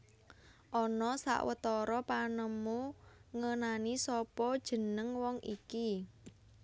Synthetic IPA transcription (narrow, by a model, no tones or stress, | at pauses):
ʔɔnɔsa̰ʔwə̰t̪ɔɾɔpanəmuŋənanisɔpɔd̥ʒ̥ə̤nəŋwɔŋʔiki